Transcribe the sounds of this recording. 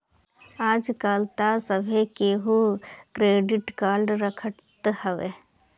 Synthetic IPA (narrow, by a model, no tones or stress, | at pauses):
aːd͡ʒkaːlt̪asəbʱekeɦukɾeːɖɪʈkaːɾɖɾəkʰəʈt̪həʋe